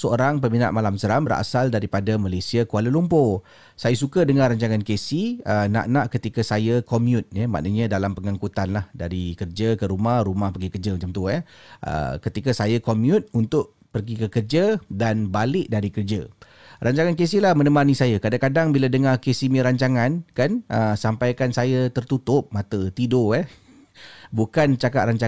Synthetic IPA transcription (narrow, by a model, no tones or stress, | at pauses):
səo̰ɾaŋp̬əmina̰ʔmalamsəɾambəɾa̰saldaɾipadamalesiakualəlumpo | sajas̬ukədəŋaraɲt͡ʃaŋankesiəna̰ʔnãʔkət̪ikasajəkomjut̪̚jama̰ʔnəɲə̃dalampəŋaŋkut̪anlahdaɾikərd͡ʒəkəɾumahɾumahpərɡikərd͡ʒamət͡ʃamt̪uaʔə̰kət̪ikasajakomjut̪unt̪ʊʔ | pərɡikəkərd͡ʒədanbalɪʔ̚daɾikərd͡ʒə̰ | rʔaɲt͡ʃaŋank̬esihlahmənəmãnisajakadaŋkadaŋbiladəŋarkesimiɾaɲt͡ʃaŋankanʔəsampajkansajat̪ərt̪ut̪ʊp̚mãt̪ət̪idoɛh | bukant͡ʃakaʔ̪̚raɲt͡ʃa